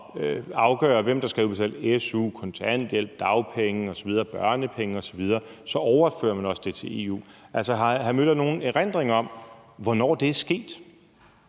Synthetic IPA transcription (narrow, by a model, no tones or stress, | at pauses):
øɑ̈ʊɡ̥œ̰ːɐʋem̰d̥ɑ̈sɡ̥ʁḭːʊsel̰esuːkʰɒ̽nt͡sʰæn̰d̥jel̰b̥̚d̥ɑ̈ʊpʰeŋəɒ̽sɒʋið̞ˠɐːb̥ɶɐnəpʰeŋəɒ̽sɒ̽ʋið̞ˠɐːsɒ̽ʔɒʊɐfø̰ːɐmænɒ̽səd̥e̝t͡sʰe̝e̝̰ːṵːʔæl̰sɒɦɑ̈ɦæmød̥ɐno̝ːn̩eʁen̰d̥ʁeŋɐɒ̽m̰ʋɒnɒ̰ːd̥e̝æɐsɡ̥e̝̰ːd̥